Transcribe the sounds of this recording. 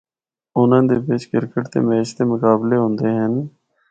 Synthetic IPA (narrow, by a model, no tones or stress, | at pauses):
ʊnãːd̪eːbɪt͡ʃkɪɾkəʈt̪ḛːmɛːʃt̪eːmʊkaːbleːɦõnd̪eːɦən